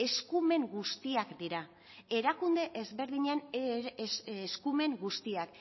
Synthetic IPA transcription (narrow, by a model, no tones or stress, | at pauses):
e̞skume̞ŋɡust̪iakd̪iɾa | e̞ɾakund̪e̞ʔezβe̞ɾðiɲen | eskume̞ŋɡust̪iak